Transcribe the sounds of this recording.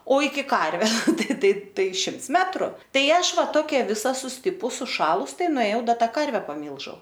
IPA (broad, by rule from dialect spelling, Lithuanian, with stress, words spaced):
oː ɪkʲɪ ˈkɐrʲʋʲɛ ˈtɐɪ ˈtɐɪ ˈtɐɪ ˈʃʲɪmts ˈmʲæːtrʊ ˈtɐɪ ˈɐʃ ˈʋɐ ˈtoːkʲɛ ˈʋʲɪsɐ sʊsʲˈtʲɪpʊs sʊˈʃɑːlˠʊs ˈtɐɪ nʊeːˈjɛʊ ˈdɐ ˈtɐ ˈkɐrʲʋʲɛ pɐˈmʲiːlʲʒʲɛʊ